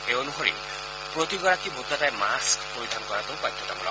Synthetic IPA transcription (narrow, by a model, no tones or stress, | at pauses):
eonuxoɹḭ | pɹot̪iɡɔɹakibot̪atajmaskpoɹid̪ʱankɔɹatoʊpajdʰʱɔtabɔla̰